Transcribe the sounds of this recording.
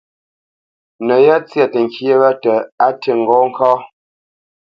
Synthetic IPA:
nə˨ja˦t͡sja˨tə˨ŋ˨kje˦wa˦tə˨a˦tə˨ŋ˨ɡɔ˦ŋ̩˦kɔː˦

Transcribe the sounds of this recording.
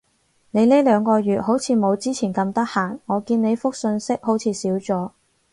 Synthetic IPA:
ne˨˧jleː˥lœː˨˧ŋkɔː˧ɥyː˨t̚ho˨˥wt͡sʰiː˨˧mo˨˧wt͡siː˥t͡sʰiː˨˩nkɐ˧mt̪ɐ˥k̚haː˨˩nŋɔː˨˧kiː˧nne˨˧jfʊ˥k̚sɵ˧nsɪ˥k̚ho˨˥wt͡sʰiː˨˧siː˨˥wt͡sɔː˨˥

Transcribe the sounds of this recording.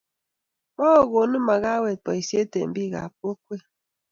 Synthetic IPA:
mɔ˦o˨ɣo˨nɨ˦ma˨ɣa˦wɛ˨t̚pɔ˨i˨sje˦tḛ˨m̩˨bi˦˨ɣa̰˨p̚o˦k̚we˦

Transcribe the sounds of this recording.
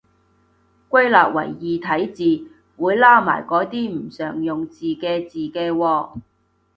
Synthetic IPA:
kʷɐ˥jlaː˨p̚wɐ̰˨˩jːiː˨t̪ʰɐ˨˥jt͡siː˨ | wuː˨˧jlaː˥ma̰ː˨˩jkɔː˨˥t̪iː˥m̩˨˩sœː˨˩ŋjʊ˨ŋt͡siː˨kɛː˧t͡siː˨kɛː˧wɔː˧

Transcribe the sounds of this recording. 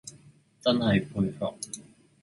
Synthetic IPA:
t͡sɐ˥nhɐ˨jpʰuː˧jfɔ˨k̚

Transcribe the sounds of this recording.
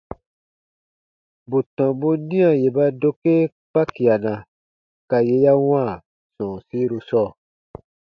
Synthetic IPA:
bu˨tɔ̃˨bo˦nĩ˦ã˨je˨ba˧do˦ke˦ | k͡pa˦ki˨a˨nã˨ | ka˨je˧ja˦w̃ãː˦˨ | sɔ̃ː˨si˦ɾo˧sɔː˦˨

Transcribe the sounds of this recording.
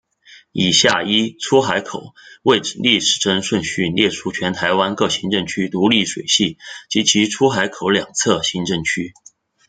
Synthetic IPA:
i˨˩ɕja˥˩i˥ʈ͡ʂʰu˥xa˧˥ɪkʰo˨˩˦ʊwe˥˩ɪ˨˩li˥˩ʂɻ̩˨˩ʈ͡ʂə˥ŋʂwə˥˧nɕy˥˧nljɛ˥˩ʈ͡ʂʰu˥t͡ɕʰɥɛ˧˥nt̪ʰa˧˥ɪwa˥nkɤ˥˩ɕi˧˥ŋʈ͡ʂɤ˥˩ŋt͡ɕʰy˥t̪u˧˥li˥˩ʂwe˨˩ɪɕi˥˩t͡ɕi˧˥t͡ɕʰi˧˥ʈ͡ʂʰu˥xa˧˥ɪkʰo˨˩ʊljɑ˨˩ŋt͡sʰɤ˥˩ɕi˧˥ŋʈ͡ʂɤ˥˩ŋt͡ɕʰy˥

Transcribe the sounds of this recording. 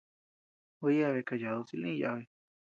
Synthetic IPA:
u˧ja˦˧βe˧˨ka˧ja˨ðu˧si˧lĩ˦˧ja̰˧βe˧

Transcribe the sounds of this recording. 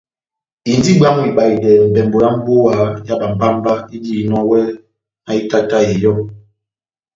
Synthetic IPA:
i˨n˦di˦ɡ͡ba˦ŋ˦i˨ɓa˨i˨dɛ˨m̩˨bɛ˨mbo˨ɾa˦m̩˦bo˦a˨˦ja˦ɓa˨m̩˨ba˦m˦ba˦i˦di˦i˨nɔ˦wɛ˦ | a˨i˦ta˦ta˦˨jɛ˨jɔ˦˨ŋ

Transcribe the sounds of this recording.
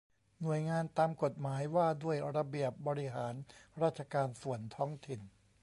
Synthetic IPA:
nu˨˩əjŋaː˧nt̪aː˧mko˨˩t̪̚maː˩˦jwaː˥˩du˥˩əjɾa˧bi˨˩əp̚bɔː˧ɾi˦˥ɦaː˩˦nɾaː˥˩t̪̚t͡ɕʰa˧kaː˧nsu˨˩ənt̪ʰɔː˦˥ŋt̪ʰi˨˩n

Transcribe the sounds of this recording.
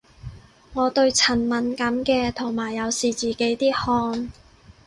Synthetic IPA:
ŋɔː˨˧t̪ɵ˧ɥt͡sʰɐ˨˩nmɐ˨˧nkɐ˨˥mkɛː˧t̪ʰʊ˨˩ŋmaː˨˩jːɐ˨˧wsiː˨t͡siː˨˩ke˨˥jt̪iː˥hɔː˧ŋ

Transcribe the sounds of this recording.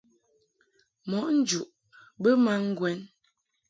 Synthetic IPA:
mɔ˨˦ʔn̩˦d͡ʒu˨ʔ | bə˦ma˦ŋ̩˦ɡwɛ˦n

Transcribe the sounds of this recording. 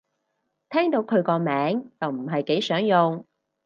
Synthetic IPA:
t̪ʰɛː˥ŋt̪o˨˧wkʰɵ˨˧ɥkɔː˧mɛː˨˥ŋt͡sɐ˨˩wm̩˨˩ɦɐ˨jke˨˥jsœː˨˥ŋjʊ˨ŋ

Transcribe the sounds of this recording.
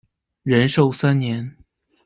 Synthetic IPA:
ɻə˧˥nʂo˥˧ʊsa˥nnjɛ˧˥n

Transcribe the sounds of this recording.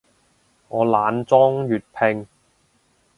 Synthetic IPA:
ŋɔː˨˧laː˨˧nt͡sɔː˥ŋjyː˨t̚pʰɪ˧ŋ

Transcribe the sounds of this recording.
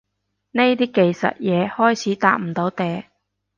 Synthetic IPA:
ne˥jt̪iː˥ke˨jsɐ̰˨t̚jɛː˨˧hɔː˥jt͡sʰiː˨˥t̪aː˧k̚m̩˨˩t̪o˨˧˥wt̪ɛː˨˧˩

